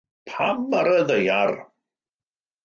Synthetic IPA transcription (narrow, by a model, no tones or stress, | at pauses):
pʰamaɾəðejar